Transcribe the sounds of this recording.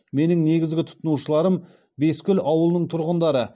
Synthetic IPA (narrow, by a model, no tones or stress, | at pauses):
me̞nɪŋne̞ɡʲɪzɡʲɪt̪ʰʊ̥t̪ənuʃəlˠɑɾəm | be̞skʲʏlɑwəlˠnəɴt̪ʰʊɾʁənd̪ɑɾə